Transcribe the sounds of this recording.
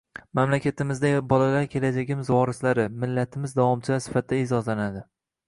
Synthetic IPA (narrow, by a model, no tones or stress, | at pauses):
mamlakʲʰat̪ɪmɪzd̪abɒlalaɾkʲʰe̞lad͡ʒaɡʲɪmzwɒɾɪslaɾɪmɪlːat̪ʰɪmɪzd̪avɒmt͡ʃʰɪasɪ̥fat̪̚d̪aɪzɒzlanad̪ɪ